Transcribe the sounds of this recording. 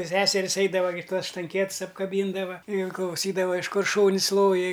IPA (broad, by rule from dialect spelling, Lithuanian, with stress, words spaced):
ˈsʲæːsʲɛrʲɪs ˈɐɪdɐʋɐ ɡʲɪ ˈtuɔs ʃtɐŋʲˈkʲiɛts ɐpkɐˈbʲiːndɐʋɐ ɪn klˠɐʊˈsʲiːdɐʋɐ ɪʃ ˈkʊr ˈʃuːnʲsʲ ˈlˠoːjɪ